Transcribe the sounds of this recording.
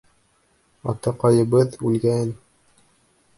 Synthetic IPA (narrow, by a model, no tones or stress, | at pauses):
ɑt̪ɑqɑjɤ̆βɤðʉlɡæn